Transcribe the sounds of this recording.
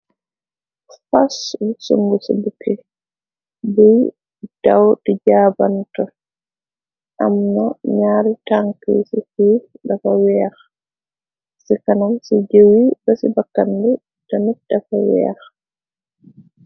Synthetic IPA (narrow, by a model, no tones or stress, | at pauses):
faswusṵŋɡusḭbukʰːɛ | bɛj | d̥awtid͡ʒabantɔ | ʔamnaɲaːɾitaŋkḛsikiɗafawɛax | sikanamsid͡ʒewibɔsibakːandɛ | damidafawɛ̰a̰x